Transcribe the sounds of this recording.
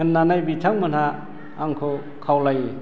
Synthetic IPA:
ɯnːanajbitʰaŋmɯnhaː | ŋkʰɔ | kʰawlaj

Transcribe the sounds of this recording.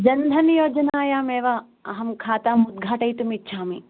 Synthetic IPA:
d͡ʒɐnd̪ʱɐnjoːd͡ʒɐnaːjaːmeːʋa | ɐɦɐmkʰaːt̪aːmʊd̪̚ɡʱaːʈɐit̪umitːʃʰaːmi

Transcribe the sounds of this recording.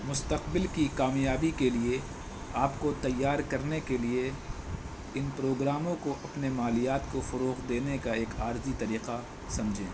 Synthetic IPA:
mʊst̪ɐqbɪlkikaːmjaːbikelie | aːpkot̪ɐjːaːɾkɐɾnekelie | ɪnpɾoːɡɾaːmõkoʔɐpnemaːlijaːt̪kofʊɾoːqd̪eːnekaeːkaːɾzit̪ɐɾiːqa | sɐ̃md͡ʒʱḛ̃ː

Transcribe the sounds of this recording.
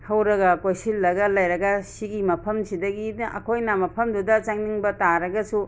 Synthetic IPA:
hɐwɾɐɡɐkojsilːɐɡɐlɐjɾɐɡɐsiɡimɐpʰɐmsidɐɡinʔɐ̰kʰojnɐmɐpʰɐmdudɐt͡ʃaŋniŋbɐtaɾɐɡɐsu

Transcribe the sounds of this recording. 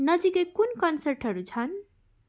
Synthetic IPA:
nʌd͡zikekunkʌnsʌɾʈɦʌɾut͡sʰʌn

